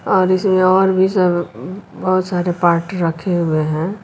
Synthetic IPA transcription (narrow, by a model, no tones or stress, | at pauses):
ɔːɾɪsmẽɔːɾbʱisəbbəɦʊt̪saːɾepaːɾʈɾəkʰeɦʊeɦɛ̃